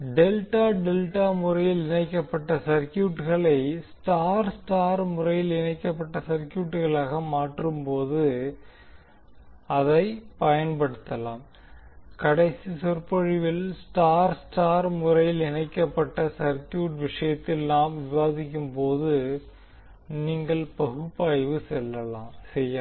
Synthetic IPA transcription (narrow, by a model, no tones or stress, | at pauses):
ɖɛlʈaːɖɛlʈaːmʊrɐjɪlɪnɐɪkːɐpːɐʈːɐsɐɾkjuːʈɣɐɭɐɪsʈaːɾsʈaːɾmʊrɐjɪlɪnɐɪkːɐpːɐʈːɐsɐɾkjuːʈːɣɐɭaːɣɐmaːʈrɯmpoːðɯ | ɐðɐɪpɐjɐnpɐɽɯt̪ːɐlaːm | kɐɽɐɪsisɔrpɐɻɪʋɪlsʈaːɾsʈaːɾmʊrɐjɪlɪnɐɪkːɐpːɐʈːɐsɐɾkjuːʈʋɪʂɐjɐt̪ːɪlnaːmʋɪʋaːðɪkʲːɯmpoːðɯ | niːŋɡɐɭpɐɣɯpːaːjʋɯsɛlːɐlaːmsɛjːɐ